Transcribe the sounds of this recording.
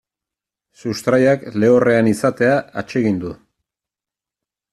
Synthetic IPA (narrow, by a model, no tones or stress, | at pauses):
sust̪ɾajakle̞ore̞anisat̪e̞aat͡ʃe̞ɣ̞ind̪u